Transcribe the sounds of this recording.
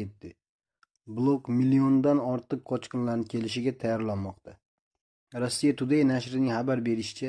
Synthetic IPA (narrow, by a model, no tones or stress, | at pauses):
et̪ːɪ | blˠokmilːiond̪anɒɾt̪ʰɨq̚qʰɒt͡ʃqɨnlaɾnɪkʲʰe̞lɪʃɪɡʲat̪ʰajɒɾlanmɒqt̪ʰa | ɾosːijat̪ʰʊd̪ejnaʃɾɪnɪŋhabaɾbe̞ɾɪʃɪ̥t͡ʃʰa